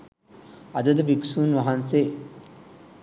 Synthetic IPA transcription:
ɐd̪ɐd̪ɐbiksuːnʋɐɦɐnse

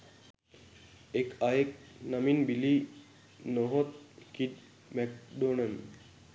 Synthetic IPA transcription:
ekajek̚naminbili | noɦot̪̚kiʈ̚ | mɛk̚ɖonən

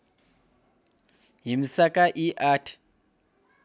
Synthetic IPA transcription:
ɦimisakaʔiʔaːtʰi̥

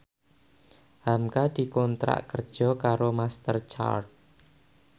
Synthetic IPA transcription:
hamkad̪̥i̤kɔnt̪ɾa̰ʔkərd̥ʒ̥ɔ̤kaɾomast̪ərt͡ʃa̰r̚

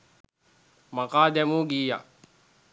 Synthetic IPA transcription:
mɐkaːd̪emuɡiːja̰

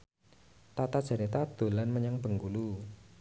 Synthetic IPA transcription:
t̪at̪ad̥ʒ̥a̤nit̪ad̪̥o̤lanməɲaŋb̥ə̤ŋɡulu

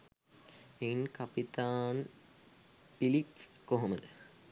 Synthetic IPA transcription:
enkɐpit̪aːn | filipskoɦoməd̪ə

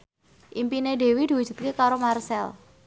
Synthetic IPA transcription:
ʔimpineɖe̤wid̪̥i̤wu̥d͡ʒṳt̪̚kekaɾomarsɛl

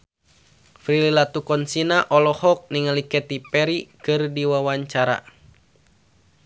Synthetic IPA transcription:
fɾililat̪ukɔnsinaʔɔlɔhɔk̚niŋalikɛt̪ipɛɾikɨrdiwawaɲt͡ʃaɾa̰

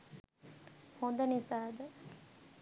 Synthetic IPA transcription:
hond̪ɐnisaːd̪ə

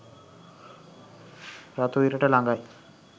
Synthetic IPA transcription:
ɾat̪uiɾəʈəlaŋɡaj

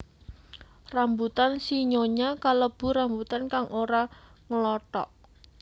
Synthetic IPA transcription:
rambut̪ansiɲoɲakaləb̥ṳɾambut̪ankaŋoɾaŋəlɔt̪ɔ̰ʔ

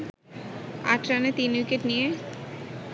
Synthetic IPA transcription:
a̰ʈɾanet̪inwikeʈnije

